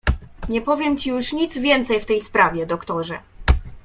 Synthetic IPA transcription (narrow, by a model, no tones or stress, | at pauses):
ɲɛpɔvʲjɛmt͡ɕijuʂɲit̪zvʲjɛnt̪sɛjft̪ɛjspɾavʲjɛd̪ɔkt̪ɔʐɛ